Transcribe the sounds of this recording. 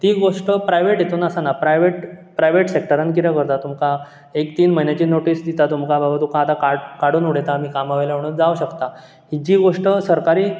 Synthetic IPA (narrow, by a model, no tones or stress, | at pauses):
t̪iɡoʂʈəpɾajʋeʈjet̪uːnəsanapɾajʋeʈpɾajʋeʈsek̚ʈəɾankiɾəkəɾt̪at̪umka | ekt̪iːnməɦinjat͡ɕiːnoʈiːsd̪it̪at̪umkabəbat̪ukaːt̪akaɽkaɽuːnuɽet̪amiːkamaʋajlaɳ̃əd͡zauɕəkt̪a | hid͡ʑiːɡoʂʈəsəɾkaɾiː